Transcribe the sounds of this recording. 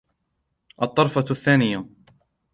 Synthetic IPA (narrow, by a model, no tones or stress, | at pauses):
ʔɑt̪ˤːɑɾˤfɑθːaːnɪja